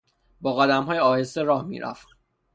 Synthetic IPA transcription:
bɒːɣæd̪æmhɒːjeɒːhe̞st̪eɾɒːhmḭːɾʔæ̰ft̪

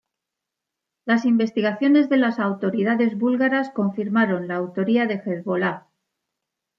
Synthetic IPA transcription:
lasimbe̞st̪iɣaθjo̞ne̞zðe̞lasawt̪o̞ɾiðaðe̞zβulɣaɾasko̞ɱfiɾmaɾo̞nlaːwt̪o̞ɾiaðe̞xe̞ðβo̞la

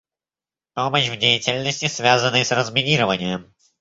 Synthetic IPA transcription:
poməɕvdʲejɪtʲɪlʲnəsʲtʲɪsvʲazənːəjsrəzmʲɪnʲiɾəvənʲɪjəm

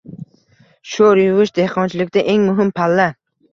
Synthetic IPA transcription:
ʃoɾjʊvɪʃd̪e̞hqʰɒnt͡ʃʰɪlɪkʲd̪aʔe̞ŋmʊɦɪmpʰalːa

